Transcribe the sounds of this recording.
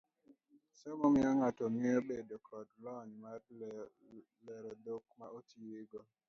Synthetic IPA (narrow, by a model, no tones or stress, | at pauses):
sɛmɔmɪaŋatɔmiobedokʰɔdlɔnma | lɛɾɔd̪ok̚maʔotʰiɾɪɡɔ